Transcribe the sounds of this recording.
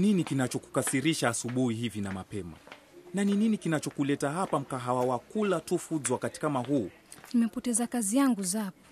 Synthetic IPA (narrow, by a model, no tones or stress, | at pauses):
ninikinat͡ʃɔku̥kasiɾiʃaːsuɓuhiɦivinamapɛma̰ | nanininikinat͡ʃɔkulɛtaɦapam̩kaɦawawakulatufuzwakati̥kamaɦuː | nimɛpɔtɛzakazijaŋɡuzapɔ̥